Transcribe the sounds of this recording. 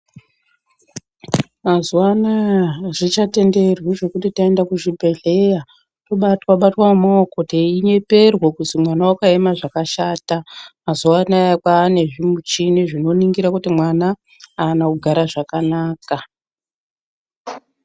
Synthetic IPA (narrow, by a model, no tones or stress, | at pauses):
mazuwanaʐit͡ʃate̞nde̞rwiʐe̞kutitaendakuʒibʱe̞ɮe̞ja | toɓatwaɓatwamokoteiɲe̞pe̞rwokusimwanawakaemaʐakaʃaːtamazuwanaakwaːne̞ʐimut͡ʃiniʐino̞niŋɡiɾakutimwanaː | nakuɡʱaɾaʐakanaːka